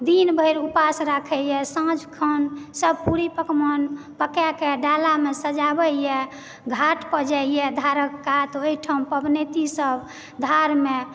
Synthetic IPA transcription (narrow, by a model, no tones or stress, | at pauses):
d̪inbʱəjɾupasɾakʰɛjɛsãd͡ʒkʰənsəb̚ʱpuɾipəkmən | pəkakeɖalamesəd͡ʒabəjɛ | ɡʱaʈpəd͡ʒɛjɛd̪ʱaɾəkːat̪ɔoiʈʰəmpəbnet̪isəb | d̪ʱaɾme